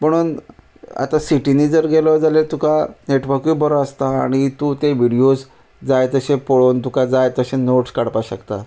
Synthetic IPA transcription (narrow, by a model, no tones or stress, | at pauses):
m̤əɽ̃uːn | a̰t̪asiʈiniːd͡zəɾɡʱeləd͡zalet̪ukaneʈʋəɾkjuːbʱəɾəst̪aːɽ̃it̪ut̪eʋiɽijos | d͡zajt̪əɕẽpoɭont̪ukad͡zajt̪əɕenoʈskaɽpaɕəkt̪a